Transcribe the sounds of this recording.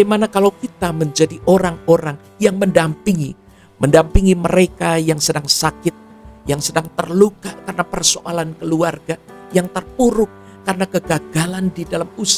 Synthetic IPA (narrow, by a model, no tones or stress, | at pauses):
amanakalawkit̪aməɲd͡ʒadiʔoɾaŋoɾaŋ | jaŋməndampiŋi | məndampiŋiməɾekajaŋsədaŋsakɪt̪̚jaŋsədaŋt̪ərlukakarənapərsoʔalankəluarɡajaŋt̪ərpuɾʊk̚ː | aɾənakəɡaɡalandidalamusa